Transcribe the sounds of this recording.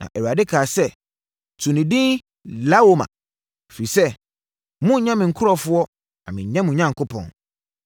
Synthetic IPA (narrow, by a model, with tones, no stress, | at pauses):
nã̰˨ʔɛ˨wa˨dɪ˦kʰaː˨sɛ˦ | tʰũ˨nɪ̃˨dɪ̃˦ | la˦wo˦mã̰˨ | fɾi˨sɛ˦ | mʊ̃˦ɲã˦mɪ̃˨ŋ̩˨kʰʊ˦ɾɔ˨fʊ˦ɔ˦ | a̰˨mɪ̃˨ɲ˨ɲã˦mũ˨ɲã˦ŋkʰo˦pʰɔ̰̃˨n